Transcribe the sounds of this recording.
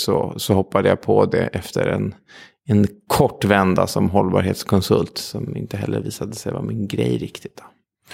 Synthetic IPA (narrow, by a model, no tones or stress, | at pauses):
sɔsɔhɔpːad̪əjapʰɔd̪ɛʔɛft̪ʰəɾɛn | ɛnkʰɔʈːvɛnd̪asɔmɦɔlːbɑːɾheːt̪skʰɔnsɵlt̪sɔmɪnt̪əɦɛlːəɾviːsad̪əsɛjvamɪnɡɾɛjɾɪkt̪ɪ̥t̪̚d̪ɔ